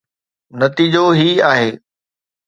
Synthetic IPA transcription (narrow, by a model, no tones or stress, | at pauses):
nɐt̪iːd͡ʑoɦiːaːɦeː